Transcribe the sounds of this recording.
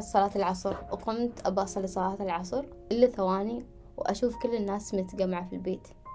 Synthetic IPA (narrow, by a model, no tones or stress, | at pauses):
t̪sˤɑlɑːt̪ɪlʕɑsˤɾwqʊmt̪ʔabɑsˤɑlisˤɑlɑːt̪ɪlʕɑsˤɾ | ʔɪlːaθawaːni | wʔa̰ʃuːfkʊlːɪnːaːsmɪt̪ɡamːʕafilbeːt̪